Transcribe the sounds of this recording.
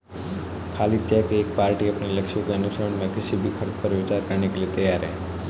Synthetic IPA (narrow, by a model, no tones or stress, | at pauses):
kʰaːlit͡ʃɛkeːk̚paːɾʈiəpniləkʃjõkeənʊʃəɾəɳmẽkɪʃibʱikʰəɾt̪pəɾʋɪt͡ʃaɾkəɾnekeljet̪əjaɾɦɛ